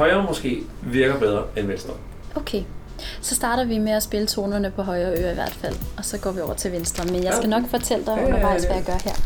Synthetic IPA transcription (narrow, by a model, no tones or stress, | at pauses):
hɒ̽ɪɐːmosɡ̥e̝̰ː | ʋiɐɡ̥ɐb̥eð̞ˠʁɐenʋensd̥ʁɐ | oʊkʰeː | sɒ̽sd̥ɑ̈ːɾ̥ɐʋimeæsb̥e̝lət͡sʰo̝ːnɐnəpʰɒ̽ɦɒ̽ɪɐːø̰ːɐiʋæɐ̰d̥fæl̰ɒ̽sɒ̽ɡ̥ɒ̰ːʋiɒʊ̰ɐt͡sʰe̝lʋensd̥ʁɐmenjɑsɡ̥ænɒ̽ɡ̥fɒ̽t͡sʰel̰d̥aɪʋæmɑ̈ɪsæjɑɡ̥ɶɐheɐ̰